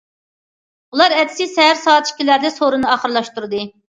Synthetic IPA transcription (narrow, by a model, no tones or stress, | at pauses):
ulˠɑɾɛt̪ʰɪ̥sɪsɛɦæɾsɑːt̪ʃi̥kʲilæɾd̪ɛsoɾɨnɨɑχəɾlˠɑʃt̪uɾɨd̪ɨ